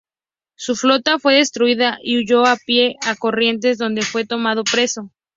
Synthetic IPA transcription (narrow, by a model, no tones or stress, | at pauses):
suflo̞t̪afwe̞ðe̞st̪ɾuiðaʔiuʝo̞apje̞ʔako̞rje̞nt̪̬e̞zðo̞nd̪e̞fwe̞t̪o̞mað̞o̞pɾe̞so̞